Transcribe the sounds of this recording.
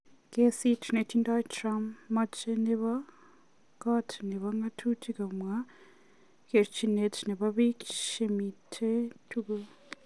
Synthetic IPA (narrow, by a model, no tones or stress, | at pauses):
kesitnetʰindatɾamːat͡ʃeneβa | katʰniβaŋɡatʰutʰiɡamwa | keɾt͡ʃinetniβaβiki̥ʃemitʰetʰuɡa